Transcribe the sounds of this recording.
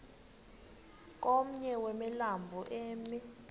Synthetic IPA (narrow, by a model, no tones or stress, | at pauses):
k̬ʼom̩ɲɛwɛmɛlambʱɔʔeːmi